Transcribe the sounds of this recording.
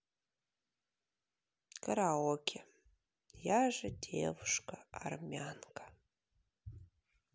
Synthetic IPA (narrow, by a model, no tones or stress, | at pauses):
kʰɐɾaːwɐkʲʰe | jaʒɐdḛvʂkʰʼaarmʲankʰʼḁ